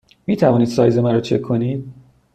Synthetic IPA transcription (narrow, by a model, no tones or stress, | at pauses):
miːt̪ʰævɒːniːd̪̥sɒːjzemæɾɔːt͡ʃʰe̞kʰːo̞niːd̪̥̚